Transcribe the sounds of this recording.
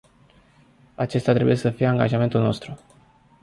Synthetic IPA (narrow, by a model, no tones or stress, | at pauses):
at͡ʃe̞st̪jat̪ɾe̞bṵjesəfijeaŋɡa̰ʒame̞nt̪ulno̞̰st̪ɾu